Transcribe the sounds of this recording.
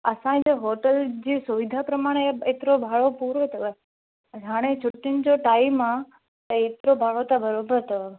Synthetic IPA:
əsãd͡ʒeɦoʈəld͡ʒisuʋid̪ʱapɾəmaɽ̃eet̪ɾobʱaɭopuɾot̪ʰəʋe | d͡ʒʱaɽ̃et͡ʃʰʊʈːind͡ʒoʈaimã | et̪ɾobʱaɭot̪abəɾobəɾt̪ʰəʋe

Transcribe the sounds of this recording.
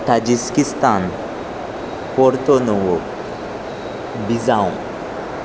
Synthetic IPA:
t̪ad͡ʒiskist̪an | pɔɾt̪onowo | bizaw̃

